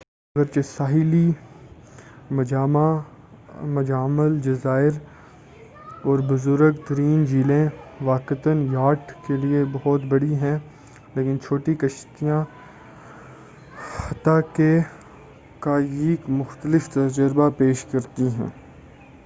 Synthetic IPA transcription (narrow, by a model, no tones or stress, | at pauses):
ɐɡəɾt͡ʃesaːɦɪli | maa | mɐd͡ʒaːməld͡ʒɐzaːɪɾ | ɔːɾbʊzʊɾəɡt̪ɐɾiːnd͡ʒiːlẽʋaːkɪt̪ənjaːʈkeliebɐɦɔt̪bɐɽiɦɛ̃ | leːkɪnt͡ʃʰoːʈikɐʃt̪ijã | xɐt̪ake | kaeːkmʊxt̪əlɪft̪ɐd͡ʒəɾbapeːʃkɐɾt̪iɦɛ̰̃ː